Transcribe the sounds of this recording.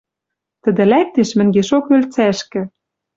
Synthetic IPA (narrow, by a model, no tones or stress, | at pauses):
t̪ə̆d̪eɘ̆læk̚t̪eʃmɘ̆ŋɡeʃokølt͡sæʃkɘ̆